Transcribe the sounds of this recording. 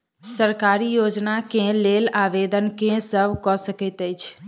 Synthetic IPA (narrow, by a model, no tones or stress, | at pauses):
səɾkaɾijod͡ʒnakẽlelaʋed̪ənkẽsəbʱkɔsəkət̪əjt͡ʃʰ